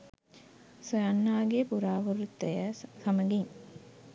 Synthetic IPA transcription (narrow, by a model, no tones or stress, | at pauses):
sojanːaːɡepuɾaːʋəɾut̪ːəjəsɐməɡiŋ